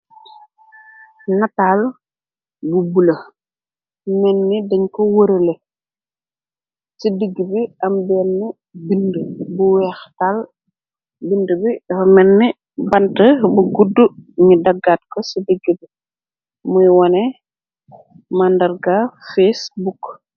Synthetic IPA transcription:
nataːl | bubulə | mɛnːidəɲkɔwəɾəlɛ | sidiɡːibiɐmbɛːnːi | bindəbuwɛːxtal | bindəbimɛnːi | bɐntəbuɡuduɲidɐɡːat̚kɔsidiɡːəbi | mujwɔnɛ | mandɐɾɡafesbuk

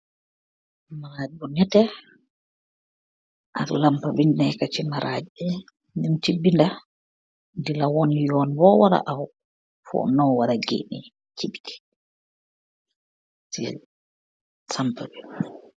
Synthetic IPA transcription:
maɾad͡ʒiɡɔnɛtɛ | ʔaɗṵlampabinnɛjkat͡ʃinaɾad͡ʒiɛ | nimtibːinda | dilawɔnjɔnbɔwaɾa̰ʔaw | fɔ̰nɔwaɾaɡḛnḭ | t͡ʃibitʰɛ̥ | sḭ | sampabɛ

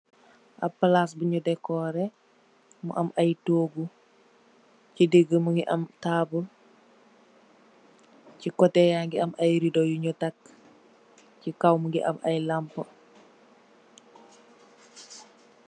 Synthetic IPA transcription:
ʔɐpːɐlasbuɲudɛkːɔːɾɛ | mṵʔɐmʔɐjtoːɡu | cideɡəmuŋɡiʔɐ̰mtaːbu | cikɔtɛjaŋɡiɐmʔɐjɾidɔjuɲɔtak | cikawmuŋɡiʔɐ̰mɐjlampə

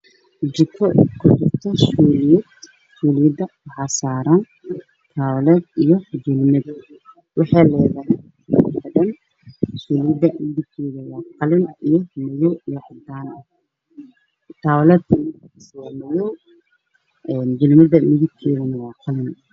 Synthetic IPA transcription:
d͡ʒɪkʰɔkʰʊt͡ʃɪrt̪ʰɐʃuːlɪjɛd̪ | suːlijd̪ɐwɑħɑːsaːɾan | t̪ʰaːwlɛːd̪ijɔd͡ʒɪlmɐd̪ | wɑħɑːlɛːðɐɦɛj | kʰɐdɐn | ʃuːlɪjɪd̪ɐmɪðɪbkʰɛːðɐwɑːqɑlɪnijɔnɐjɔijɔʕɑd̪aːnɐh | t̪ʰaːwlɛːd̪ɪkːswanɐjɔ | ɛnd͡ʒɪlmɐd̪ɐmɪðɪbkʰɛːðɐnɐwɑːqɑlɪn

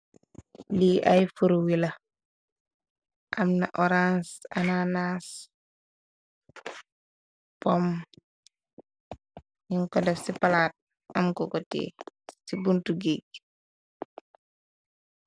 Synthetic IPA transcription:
liajfuɾwilɐ | ʔamna̰ʔɔɾansa̰nanas | pɔm | ɲiŋkɔdɛfsipalat̚ | amkɔɡɔtḛsibuntuɡeɡ̚

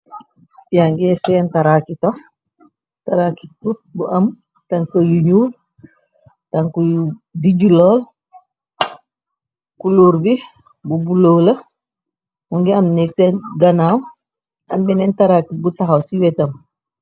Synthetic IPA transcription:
biaŋɡɛsɛntaɾakitɔ | taɾaki̥tubuʔam | taŋkojuɲuːl | taŋkudiɟulɔːl | kuluɾbi | bubulolɐ | muŋɡiamnɛksɛɡanaw | ambɛnɛntaɾakibutaɦawsiwɛtam

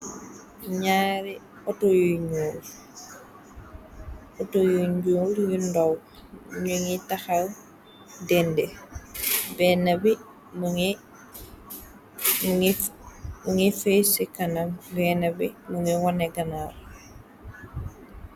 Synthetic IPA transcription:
ɲaɾi | otojuɲol | otojuɲɟoːljundow | ɲuŋitaxal | dɛnde | benabi | muŋi | mŋimuŋifesikanambenabimuŋiwaneɡanaɾ

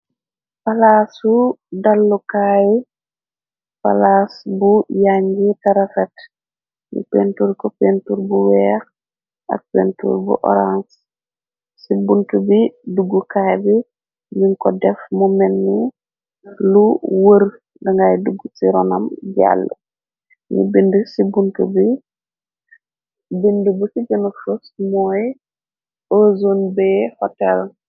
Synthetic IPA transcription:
palasudalːukaːji | palasbujaɲɡitaɾafɛt | jṵpentuɾkɔpentuɾbuwɛx | ʔa̰k̚pḛntṵɾbṵʔɔ̰ɾans | sibuntubiduɡːukajbi | niŋkɔdɛfmumɛnːi | luwəɾ | dɐŋɡajduɡːusiɾɔnɐmɟa̰lːə | nḭbindəsibuntubi | bindubusiɡənəfosmɔːj | ozonbɛːhɔtɛl

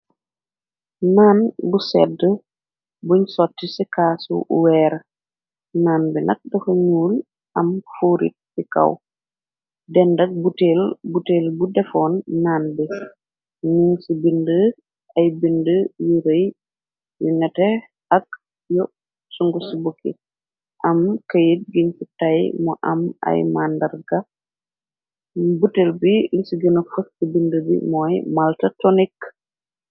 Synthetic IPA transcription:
naːnbusɛ̰də | buɲsɔtːisikaːsṵʔṵwɛːɾɐ | naːnbinɐ̰k̚dɐxuɲuːl | ʔɐmfuːɾḭt̚sikɐ̰w | dɛndɐk̚buteːlbuteːlbudɛfɔːnːaːnbi | nuŋsibində | ʔɐjbindəjiɾəj | jṵnɛtɛ | ɐk̚ | jɔ | suŋɡusibukʰːḭ | ʔɐmkɐjit̚ɡiɲfitajmɔʔɐ̰mɐ̰jmandɐɾɡɐ | butelbilisiɡənɐfɐskibindəbḭmɔːjmaltɐtɔnik

